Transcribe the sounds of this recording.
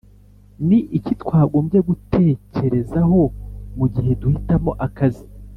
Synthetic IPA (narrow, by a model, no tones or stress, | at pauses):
niʔicitkwaːɡoːmɟe̞ɡutʰe̞ːce̞ɾe̞zaɦo̞muɟiɦe̞duhitamo̞ʔakazi